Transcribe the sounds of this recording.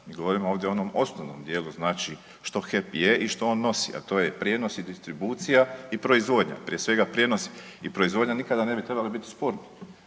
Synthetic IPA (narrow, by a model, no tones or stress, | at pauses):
miːɡo̞ʋo̞ɾimooʋd̪jeono̞mo̞snoʋno̰md̪je̞ːluznaːt͡ʃi | ʃt̪o̞xe̞pjeʔiʃt̪oonːo̞sḭʔa̰t̪o̞ːje̞pɾje̞no̞sid̪ist̪ɾibuːt̪sijaipɾo̞izʋo̞d̪ɲa̰pɾijesʋe̞ɡapɾje̞nosi | ipɾo̞izʋo̞d̪ʲɲanikad̪ane̞bit̪ɾe̞balibit̪i̥spoːɾni